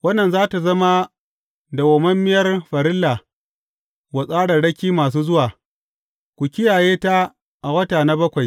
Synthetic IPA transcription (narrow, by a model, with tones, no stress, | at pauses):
wɐ˦nːɐ˨nzaː˦ta˨zɐ˦ma˦ | da˨wɐ˨mɐ˦mːɪ˦jɐ˦rɸɐ˨ɾɪ˦lːa˨ | wɐ˨sʼaː˦ɽɐ˨ɽɐ˦kʲiː˦maː˨s̬uː˦zʊ˦waː˨ | kʷu˨kʲɪ˦jaː˨jeː˦ta˦ | ʔa˨wɐ˦taː˨na˦bɐ˦kʷa˨j